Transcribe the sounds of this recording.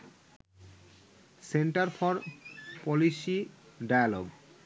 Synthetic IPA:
seɳʈaɾfʰɔɾpɔlisiɖajalɔɡ

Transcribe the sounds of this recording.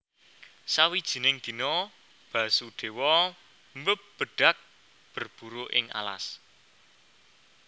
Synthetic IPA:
sawid̥ʒ̥i̤nɪŋd̪̥i̤nɔ | b̥ä̤suɖ̪̥e̤wɔ | mbəp̚b̥ə̤ɖ̥a̤k̚ | b̥ə̤rb̥uɾoʔɪ̰ŋa̰la̰s

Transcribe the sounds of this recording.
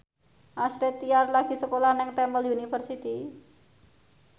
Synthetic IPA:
ʔasɾɪt̪ːiarlaɡ̥i̤səkolahnɪŋt̪ɛmbəljunifərsit̪i

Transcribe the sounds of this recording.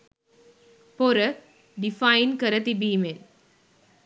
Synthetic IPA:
poɾə | ɖifɐjnkəɾət̪ibiːmen

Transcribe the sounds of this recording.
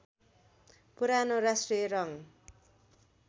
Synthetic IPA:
puɾanoɾasʈrijʌɾʌŋ

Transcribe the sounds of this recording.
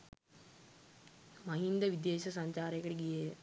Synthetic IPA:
mɐɦind̪ɐʋid̪eːʃɐs̬ɐɲt͡ʃaːɾɐkːɐʈeɡije

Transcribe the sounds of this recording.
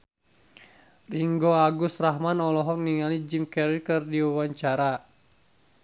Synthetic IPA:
liŋɡɔaɡust̪raɦmanɔlɔɦɔk̚niŋalid͡ʒimkɛɾikɨrdiwawaɲt͡ʃaɾa

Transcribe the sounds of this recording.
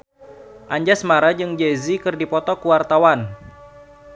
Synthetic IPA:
ʔaɲd͡ʒasmaɾad͡ʒɨŋd͡ʒezikɨrdipɔt̪ɔkuwart̪awan

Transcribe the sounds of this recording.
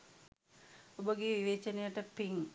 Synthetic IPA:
obəɡeːʋiʋeːt͡ʃənejəʈəpiŋ

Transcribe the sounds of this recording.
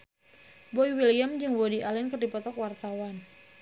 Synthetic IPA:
bɔiwiliamd͡ʒɨŋwodiʔalɪnkɨrdipɔt̪ɔkwart̪awan

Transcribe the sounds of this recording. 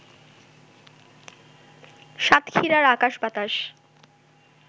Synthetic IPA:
ʃat̪kʰiɾaɾakaʃbat̪aʃ

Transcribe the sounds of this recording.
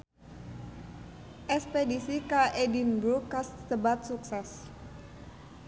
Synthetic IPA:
ʔɛspedisikaʔedinbɾukast̪əbat̪̚suksɛs

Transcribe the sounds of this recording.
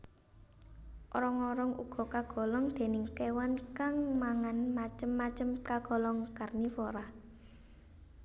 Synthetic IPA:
ʔɔɾɔŋɔɾɔŋṵɡ̥ɔ̤kaɡ̥ɔ̤lɔŋd̪̥e̤nɪŋkewankaŋmaŋanmat͡ʃəmːat͡ʃəmkaɡ̥ɔ̤lɔŋkarnifɔɾa

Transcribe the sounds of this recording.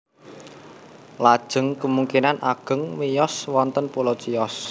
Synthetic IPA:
lad̥ʒ̥ə̤ŋkəmuŋkinanʔaɡ̥ə̤ŋwijɔswɔnt̪ənpulɔt͡ʃijɔs

